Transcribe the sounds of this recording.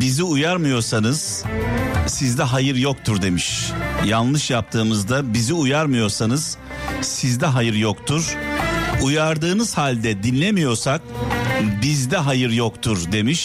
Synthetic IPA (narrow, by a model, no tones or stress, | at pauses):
biziujaɾmɯjo̞ɾsanɯz̥ | sizd̪ɛɦajɯɾjok̚t̪ʰuɾd̪e̞miʃjanlˠɯʃjap̚t̪ʰɯːmɯzd̪abiziujaɾmɯjo̞ɾsanɯz̥ | sizd̪ɛɦajɯɾjokt̪ʰuɾ̥ | ujaɾd̪ɯːnɯz̥halʲd̪ɛd̪inlʲe̞mijo̞ɾsak̚ | bizd̪ɛɦajɯɾjokt̪ʰuɾd̪e̞miʃ